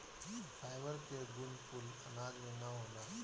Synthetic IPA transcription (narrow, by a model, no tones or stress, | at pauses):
fʰajʋəɾkeɡunpulɐlaɡmẽnaɦola